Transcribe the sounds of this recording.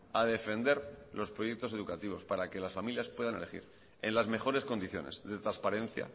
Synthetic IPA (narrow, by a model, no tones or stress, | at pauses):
aðe̞fe̞nd̪e̞ɾlo̞spɾoje̞k̚t̪o̞se̞ðukat̪iβ̞o̞spaɾake̞lasfamiljaspwe̞ð̞ane̞le̞xḭɾ | e̞nlazme̞xo̞ɾe̞sko̞nd̪iθjo̞̰nezðe̞t̪ɾaspaɾe̞n̟θja̰